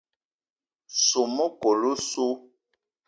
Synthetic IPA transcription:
su˨mɔ˦ko˨lu˦su˦

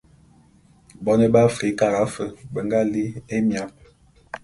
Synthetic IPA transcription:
bɔ˦ne˦ba˦fi˨˦ka˨ɣa˦fə˨bə˨ŋɡa˦li˦e˦mja˨p̚

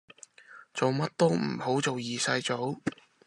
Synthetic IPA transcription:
t͡so˨wmɐ˥t̚t̪o˥wm̩˨˩ho˨˥wt͡so˨wjiː˨sɐ˧jt͡so˨˥w

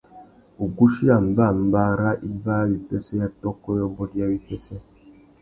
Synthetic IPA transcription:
u˨ɡu˦ʃi˦a˨m˨˦ba˦˨mba˦ɾa˦ʔi˦va˦βi˨pe˦sɛ˦ja˦tɔ˦kɔ˦jɔ˦mbɔ˦dja˦βi˨pe˦sɛ˦

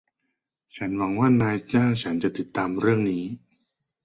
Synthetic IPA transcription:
t͡ɕʰa˦˥nwa˩˦ŋwaː˥˩naː˧jt͡ɕaː˥˩wt͡ɕʰa˦˥nt͡ɕa˨˩ʔt̪i˨˩t̪ːaː˧mɾɯ˥˩əŋniː˦˥

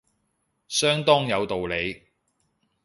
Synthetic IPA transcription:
sœː˥ŋt̪ɔː˥ŋjɐ˨˧wt̪o˨wle˨˧j

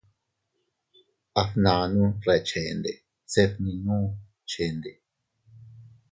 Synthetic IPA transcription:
a˧fnã˨˧nũ˦re˧t͡ʃe˨˧nd̪e˨ | se˧fnĩ˧nũː˦ | t͡ʃe˨nd̪e˨

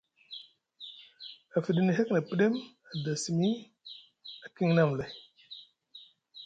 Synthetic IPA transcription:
a˨fi˨ɗi˦ni˨ɦe˦kna˨pi˦ɗe˦m | a˨da˨si˨mi˦ | a˨ki˦ŋna˦˨mle˨

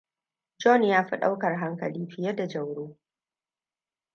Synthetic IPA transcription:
d͡ʒɔ˦˨njaː˦ɸi˦ɗa̰˦wkɐ˨rɦa˦ŋkɐ˨liː˦ɸɪ˨jɛ˦da˨d͡ʒɐ˨wɽoː˦

